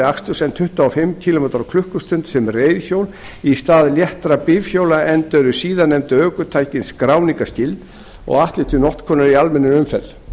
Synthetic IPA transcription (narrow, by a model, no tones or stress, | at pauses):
ɪakst̪ʏsɛnt̪ʰʏht̪aɔfɪmːcʰilɔmɛːt̪ɾakʰlʏhkʏst̪ʏnt̪sɛmreːjðçowl | ist̪aːðljɛht̪ɾapɪvçjowlaɛnt̪œɾʏsiːðanːɛmt̪ʏœːkʏt̪ʰaːjcɪnskɾaːwniŋkascɪlt̪ | ɔ̰ɣaht̪lɪht̪ʰɪnɔht̪kʰɔːnʏɾialmɛnːɪʏmfɛt̪l